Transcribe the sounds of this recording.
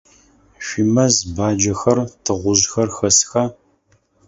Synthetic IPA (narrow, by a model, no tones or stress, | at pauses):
ʃʷimɐzbaːd͡ʒɐxɐrtʰɨʁʷʊʑxɐrxɐsxɐ